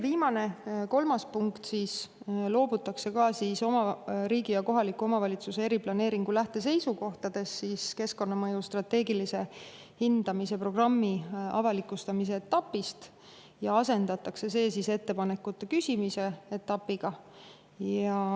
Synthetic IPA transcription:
viːmɑne̞ko̞lmɑspuŋkt̪siːs | lo̞ːbut̪ːˑɑkse̞kɑsiːso̞mɑɾiːɡijɑko̞ɦɑlikːˑuo̞mɑvɑlʲit̪suse̞eɾiplɑne̞ːɾiŋɡ̥ulæht̪e̞s̬e̞jsuko̞ht̪ɑd̪̥e̞sːiːske̞sko̞nːɑmɤjust̪rɑt̪ːe̞ːɡilise̞ | hind̪̥ɑmise̞pro̞ɡ̥rɑmːiɑ̰vɑlikːˑust̪ɑmis̬e̞ːt̪ːɑpːˑist̪ | jɑɑse̞nd̪̥ɑt̪ːˑɑkse̞se̞ːsise̞t̪ːe̞pɑne̞kːˑut̪ːˑekysʲimise̞et̪ːˑɑpːˑiɡ̥ɑ | jɑ

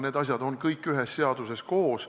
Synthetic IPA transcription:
ne̞ːd̪ɑsʲjɑd̪o̞nkɤjkːˑyɦesːe̞ɑd̪̥use̞sko̞ːs

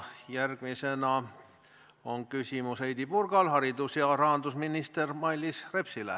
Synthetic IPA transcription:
jærɡ̥misenɑ | oŋkysʲimusejd̪ipurɡ̥ɑlɦhɑɾid̪usjɑrɑɦɑnd̪usminist̪ermɑilːisrepsilæ̰

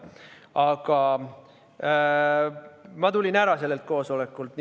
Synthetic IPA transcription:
ɑɡ̥ɑ | mɑt̪ulʲinæɾɑse̞lːe̞lt̪̚ko̞ːso̞le̞kːˑult̪n

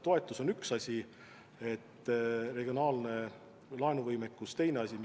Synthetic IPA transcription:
t̪o̞e̞t̪ːˑuso̞nyksɑsʲi | e̞t̪ːre̞ɡ̥io̞nɑːlne̞ | lɑenuvɤjmekːˑust̪e̞jne̞ɑsʲim

